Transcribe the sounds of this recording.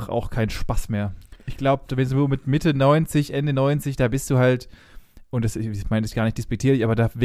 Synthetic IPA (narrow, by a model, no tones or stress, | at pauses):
ʔa̰ʊxkʰaɪnənʃpasmeːɐʔɪçɡ̥laʊbəd̥vɛnsoːmɪtmɪtənɔʏnt͡sɪçʔɛndənɔʏnt͡sɪçd̥aːbɪstd̥uːɦalt | ʔʊntd̥asɪsmaɪnɪsɡ̥aːɐnɪçt̚d̥ɪspɛk̚tʰiːɐlɪçʔaːbɐdaːv